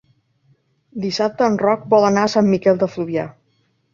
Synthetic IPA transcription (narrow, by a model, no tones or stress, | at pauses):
d̪isap̚t̪əːnrɔk̚bɔlˠənaəsamːikɛlˠd̪əfluβia